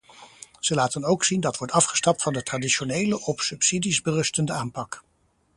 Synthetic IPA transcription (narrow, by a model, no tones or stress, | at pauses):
z̥əlaːtənowksindɑtʋɔɹtɑfχə̥stɑp̚tfɑndətraːdiʃonejləʔɔpsɵpsidizbərɵstəndəaːmpɑk